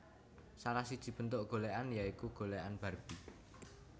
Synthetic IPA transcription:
salahsid̥ʒ̥i̤b̥ə̤nt̪oʔɡ̥o̤leʔanjaikuɡ̥oleʔanb̥a̤rb̥i

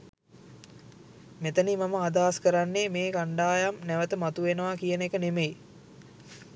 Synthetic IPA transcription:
met̪ənimaməad̪aːskəɾanːemeːkaɳɖaːjamnæʋət̪əmat̪uʋenəʋakijənekənemej

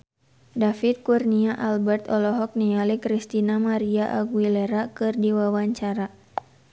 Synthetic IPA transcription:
dafit̪̚kurniaʔalbɛrt̪ɔlɔɦɔk̚nialikɾist̪inamaɾiaʔaɡwilɛɾakɨrdiwawaɲt͡ʃaɾa

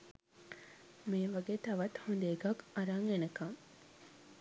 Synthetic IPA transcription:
meːʋɐɡeːt̪ɐʋɐt̪hund̪eːɡɐkɐɾaŋenɐkɐŋ

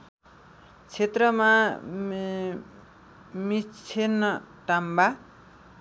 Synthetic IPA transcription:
t͡sʰet̪rʌma | mit͡sʰenʌʈamba

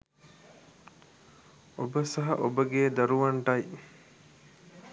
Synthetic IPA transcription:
obəsɐɦɐ̰ʔobəɡeːd̪aɾuʋaɳʈɐj

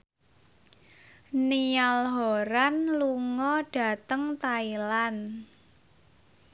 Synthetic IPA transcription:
nialɦoɾanluŋɔɖ̥ä̤t̪əŋt̪ailan

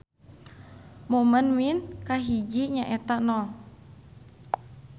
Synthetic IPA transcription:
momənwinkaɦid͡ʒiɲaʔɛt̪aʔnɔl

